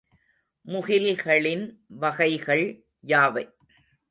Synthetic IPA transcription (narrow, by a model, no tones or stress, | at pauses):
mʊɣɪlɣɐɭɪnʋɐɣɐɪɣɐɭ | jaːʋɐɪ